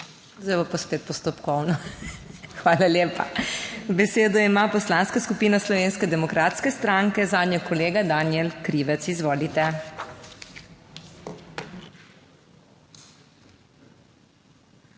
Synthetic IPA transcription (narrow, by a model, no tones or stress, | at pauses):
zɛʋɔpaspeːt̪̚pɔst̪opkɔwnɔ | xʋaːlaljeːpa̰bɛseːd̪ɔimapɔslaːnskaskupiːnaslɔʋeːnskɛd̪ɛmɔkɾat̪skɛst̪ɾaŋkɛzaːd̪nɲɛkɔleːɡad̪anjɛlkɾiːʋɛt̪sizʋoːlit̪ɛ